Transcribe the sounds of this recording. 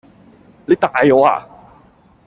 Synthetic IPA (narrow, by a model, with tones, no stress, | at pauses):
le˨˦˥t̪aː˧jo˨˧˥a̰ː˧˩